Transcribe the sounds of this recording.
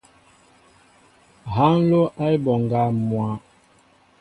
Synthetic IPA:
ɦa˦n̩˦lo˦ʔa˦i˦bɔ˨ŋ˨ɡa˦mwa˨˦

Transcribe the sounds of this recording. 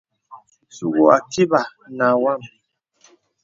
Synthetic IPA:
su˦˨ɣo˨a˨ti˦ba˨na˨wa˦˨m

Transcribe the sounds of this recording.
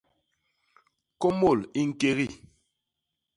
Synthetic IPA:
kɔ˦mo˦˨li˦ŋ̩˨ke˦ɣi˦˨

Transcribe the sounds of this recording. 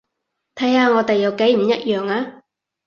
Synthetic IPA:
t̪ʰɐ˨˥jaː˧ŋɔː˨˧t̪e˨jːɐ˨˧wke˨˥jm̩˨˩jɐ˦˥t̚jœː˨ŋaː˧

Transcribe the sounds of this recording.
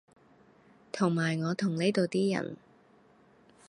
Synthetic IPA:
t̪ʰʊ˨˩ŋmaː˨˩jŋɔː˨˧t̪ʰʊ˨˩ŋne˥jt̪o˨wt̪iː˥jɐ̰˨˩n

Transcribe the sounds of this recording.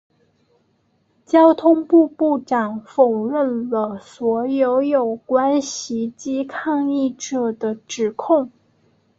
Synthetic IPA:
t͡ɕjɑ˥ʊt̪ʰʊ˥ŋpu˥˧pu˥˩ʈ͡ʂɑ˨˩ŋfo˨˩ʊɻə˥˩nlə˦swɔ˧˥jo˧˥ʊjo˨˩ʊkwa˥nɕi˧˩˥t͡ɕi˥kʰɑ˥˧ŋi˥˩ʈ͡ʂɤ˨˩d̪ə˦ʈ͡ʂɻ̩˨˩kʰʊ˥˩ŋ

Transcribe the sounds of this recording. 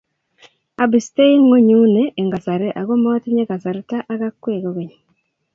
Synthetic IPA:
a˨bi˨ste˦i˦ŋːo˦ɲu˦neː˨ŋɡa˨sa˨ɾe˦ʔa˨ko˦mɔ˦ti˦ɲe˦ka˨sa˨ɾe˦ta˦ʔa˦ka˦kwe˦˨ko˦ke˨ɲ˨

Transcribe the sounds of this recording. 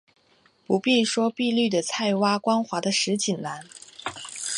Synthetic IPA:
pu˧˥pi˥˩ʂwɔ˥pi˥˧ly˥˩d̪ə˩t͡sʰa˥˩ɪwa˥kwɑ˥ŋxwa˧˥d̪ə˧ʂɻ̩˧˥t͡ɕi˨˩nla˧˥n

